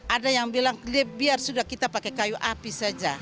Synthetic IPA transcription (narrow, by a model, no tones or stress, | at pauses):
ʔadajaŋbilaŋliabiarsudahkit̪apakɛkajuʔapisad͡ʒa